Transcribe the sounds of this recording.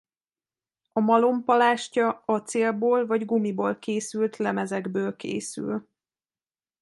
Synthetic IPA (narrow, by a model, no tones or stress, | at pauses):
ɒmɒlo̞mpɒlaːʃcɒɒt̪seːlboːlvɒɟɡumiboːlkeːsylt̪lɛmɛzɛɡbøːlkḛːsy̰l